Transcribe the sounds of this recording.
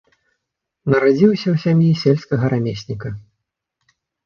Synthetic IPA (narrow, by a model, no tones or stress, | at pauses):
nɐɾad͡zʲiwsʲɐwsʲamjisʲelʲskɐɣɐɾamʲesʲnʲikɐ